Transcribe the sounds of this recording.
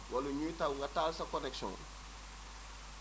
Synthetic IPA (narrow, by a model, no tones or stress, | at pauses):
waluɲutawŋɡataːlsakɔnɛksɔ̰̃ŋ̰